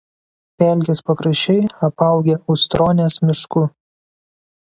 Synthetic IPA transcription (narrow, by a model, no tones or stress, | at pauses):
pʲɛˑlʲkʲespɐkɾɐʃʲɛɪɐpɐˑʊɡʲeʊʃt̪ɾoːnʲeːsmʲɪʃkʊ